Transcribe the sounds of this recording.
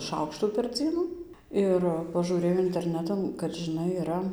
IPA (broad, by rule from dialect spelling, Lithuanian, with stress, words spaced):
ˈʃɐʊkʃtuː pʲɛr ˈd͡zʲiɛnʊ ˈɪr pɐʒuːˈrʲeːjɛʊ ɪnʲtʲɛrʲˈnʲæːtɐn kɐt ʒʲɪˈnɐɪ ɪˈrɐ